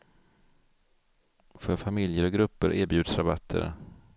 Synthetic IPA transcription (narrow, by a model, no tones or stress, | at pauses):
fœɾfamɪljəɾɔɡɾɵpːəɾʔæːɾbjʉd̪sɾabat̪ʰːə̰ɾ